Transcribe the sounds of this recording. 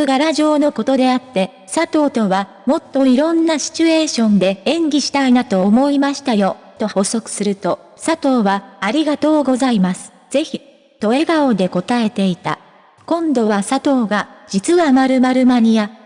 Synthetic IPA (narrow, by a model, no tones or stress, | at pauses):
ɯɡaɾaʑo̞ːno̞ko̞t̪o̞d̪e̞at̪ːe̞ | sat̪o̞ːt̪o̞βa | mo̞t̪ːo̞iɾõ̞nːaɕi̥t͡ɕɨe̞ːɕõ̞nd̪e̞ẽ̞ŋɡʲiɕi̥t̪ainat̪o̞ːmo̞imaɕi̥t̪ajo̞ | t̪o̞ho̞so̞kɯ̟̥sɨɾɯ̟t̪o̞ | sat̪o̞ːβaːɾʲiɡat̪o̞ːɡo̞zaimasɨ̥ | z̥e̞çi | t̪o̞e̞ɡao̞d̪e̞ko̞t̪ae̞t̪e̞it̪a̰ | kõ̞nd̪o̞βasat̪o̞ːɡad͡ʑit͡sɨβamaɾɯ̟maɾɯ̟maɲ̟ija